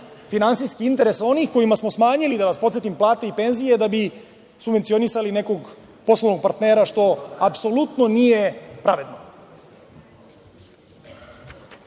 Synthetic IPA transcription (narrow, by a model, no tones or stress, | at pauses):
finansijskiint̪e̞ɾe̞so̞nixko̞jimasmo̞smaːɲilid̪aʋaspot̪se̞t̪implˠaːt̪e̞ipe̞nzije̞d̪abi | subʋent̪sionisaline̞ko̞ɡ | po̞slˠoʋnoɡ̚paɾt̪ne̞ːɾaʂt̪o̞apso̞lut̪no̞nije̞pɾaʋe̞d̪no